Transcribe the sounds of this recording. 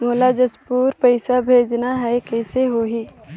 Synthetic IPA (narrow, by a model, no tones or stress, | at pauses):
moːlad͡ʒɐspuːɾpəɪsabʱeːd͡ʒnaɦɛkɛːseɦoːɦiː